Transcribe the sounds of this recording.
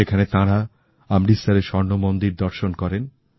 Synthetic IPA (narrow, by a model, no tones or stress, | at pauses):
ekʰanet̪ãɾa | amɾisaɾeʃɔɾnomond̪iɾd̪ɔɾʃonkɔɾen